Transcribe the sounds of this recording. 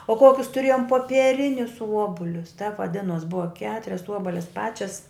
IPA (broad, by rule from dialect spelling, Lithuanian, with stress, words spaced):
oː ˈkoːkʲʊs tʊˈrʲeːjoːm poːpʲiɛˈrʲɪnʲʊs ˈuɔbʊlʲʊs tʲɛp ʋɐˈdʲɪnoːs ˈbʊʋɐ ˈkʲæːtʊrʲɛs ˈuɔbɐlʲɪs ˈpɑːt͡ʃʲɛs